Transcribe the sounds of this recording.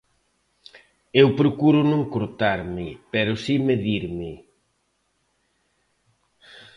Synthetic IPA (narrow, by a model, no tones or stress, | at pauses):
ewpɾokuɾʊnõŋkoɾt̪aɾmɪpɛɾʊsimeðiɾmɪ